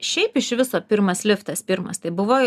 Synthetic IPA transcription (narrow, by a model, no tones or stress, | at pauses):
ʃʲɛɪpɪʃʋʲɪsoːpʲɪɾmɐslʲɪft̪ɐspʲɪɾmɐ̰st̪ɐɪbʊʋoː